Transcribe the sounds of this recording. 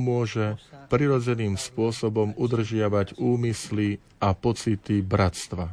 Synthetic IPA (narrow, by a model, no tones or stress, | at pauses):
mʊɔʒɛpɾiɾɔd͡zɛniːmspʊɔsɔbɔmud̪r̩ʒɪaʋaɟuːmisli | apɔt͡sit̪ibɾast̪ʋa